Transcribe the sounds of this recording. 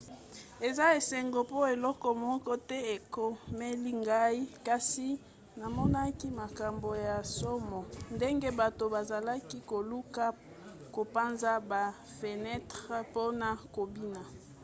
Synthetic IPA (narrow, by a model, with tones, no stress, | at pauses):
e˨za˦e˨se˨ŋɡo˨po˦e˨lɔ˦kɔ˨mɔ˦kɔ˦tɛ˦e˨ko˨me˦li˦ŋɡa˦i˦ka˦si˦ | na˨mɔ˦na˦ki˦ma˨ka˨mbo˨ja˨so˦mɔ˨nde˦ŋɡe˦ba˨to˨ba˨za˨la˦ki˦ko˨lu˦ka˦ | ko˨pa˦nza˦ba˨ | fe˨nɛ˦tʁe˦po˦na˨ko˨bi˦na˨